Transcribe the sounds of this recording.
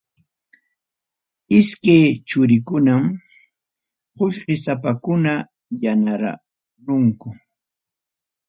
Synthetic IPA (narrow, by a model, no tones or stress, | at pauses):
ɪskejt͡ʃʊɾɪkʊnam | qoʎɢɪsapakʊna | janaɾa̰ | ɾʊŋkʊ